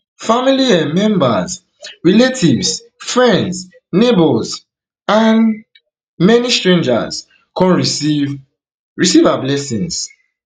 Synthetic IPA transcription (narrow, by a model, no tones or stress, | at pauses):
familiãmɛ̃mbaz | ɹiletʰivs | fɹɛ̃nds | nebɔz | ãn | mɛnistɹẽnd͡ʒa̰z | kɔ̃nɹiv | ɹisivablɛsĩns